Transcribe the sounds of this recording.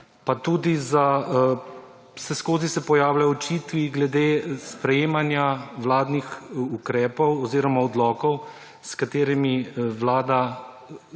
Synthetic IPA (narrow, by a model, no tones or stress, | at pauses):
pat̪uːd̪iza | sɛskoːzisɛpɔjaːwlajɔt͡ʃiːt̪kiɡlɛd̪eːspɾɛjeːmanjaʋlaːd̪nixukɾɛːpɔwɔziːɾɔmaɔd̪lɔːkɔw | skat̪eːɾimiʋlaːd̪a